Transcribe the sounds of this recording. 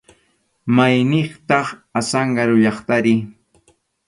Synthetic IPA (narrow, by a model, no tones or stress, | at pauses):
majnɪχt̪ɑχasɑɴɢɑɾʊʎɑχt̪aɾɪ